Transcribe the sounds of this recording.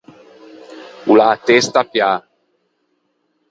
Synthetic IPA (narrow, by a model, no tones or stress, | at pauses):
ulaːt̪est̪apja